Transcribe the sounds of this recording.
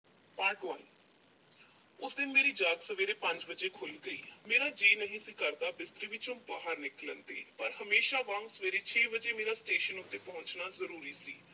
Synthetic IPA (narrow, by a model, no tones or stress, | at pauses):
paːɾʈʋani | ʊsd̪ɪnmeːɾiːd͡ʒaːɡ̪səʋeːɾeːpəɲd͡ʒbəd͡ʒeːkʰoːliːɡəiːmeːɾaːd͡ʒeːnəɦĩːsiːkəɾd̪aːbɪst̪ɾiːʋɪt͡ʃõːbaːɦəɾnɪklə̰nt̪ḛːpəɾhəmeːʃaːʋãːŋɡsəʋeːɾeːt͡ʃʰeːbəd͡ʒeːmeːɾaːsʈeːʃənʊt̪ːeːpɔɦʊɲt͡ʃnaːzəɾuːɾiːsḭː